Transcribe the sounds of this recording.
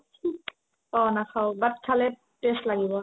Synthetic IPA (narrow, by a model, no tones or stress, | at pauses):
ɔnaxʰawbat̚kʰalɛ | peslaɡibɔ